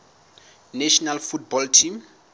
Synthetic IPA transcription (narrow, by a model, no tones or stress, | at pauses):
nɛʃɔnalfut̚bɔltʰim